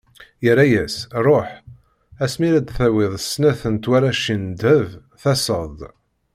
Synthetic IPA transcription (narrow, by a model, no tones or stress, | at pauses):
jəɾˤːæjæsɾˤoħ | æsmiɾæd̪θæwɪðˤəsːnæθənt̪waɾaʃind̪əv | θæsəðˤ